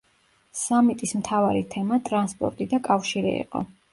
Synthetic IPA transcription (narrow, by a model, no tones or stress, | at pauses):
samit̪ʼismt̪ʰavaɾit̪ʰɛmat̪ʼɾanspʼɔ̰ɾt̪ʼid̪akʼafʃiɾḭḭqʼɔ̰